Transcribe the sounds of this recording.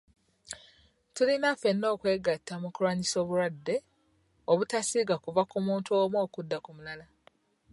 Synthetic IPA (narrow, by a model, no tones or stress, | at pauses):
tulinafe̞nːo̞ːkwe̞ːɡatːamukuɾwaːɲiso̞ːβuɾwadːe̞ | oβutasiːɡakuvakumuːntuomwo̞ːkudːakumulala